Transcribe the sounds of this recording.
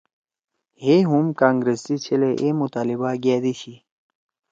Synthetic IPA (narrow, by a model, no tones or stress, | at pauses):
heɦumkaːŋɡɾest̪it͡ɕʰeleʔemut̪aːlibaɡaːd̪iɕi